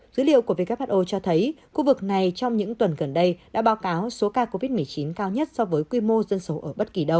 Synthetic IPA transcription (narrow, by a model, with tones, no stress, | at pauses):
zɨ̰˧˨˦lḭ˧˨əwku˧˩əvi˧ka˦˥p̚haː˦˥ʔo˧t͡ɕɔ˧t̪ʰə˨˦jxu˧vɨ˨˩k̚na˨˩jt͡ɕɔ˧wŋ͡mɲɨ̰˧˥ŋt̪wə˨˩nɣə˨˩nɗə˧jɗa̰ː˧˥ɓaː˨˦wkaː˨˦wso˨˦kaː˧ko˧vi˦˥t̚mɨ˨˩ət͡ɕi˨˦nkaː˧wɲə˦˥t̚sɔ˧vəː˨˦jkwi˧mo˧zə˧nso˨˦ʔəː˧˩ɓə˦˥t̚ki˧˩ɗə˧w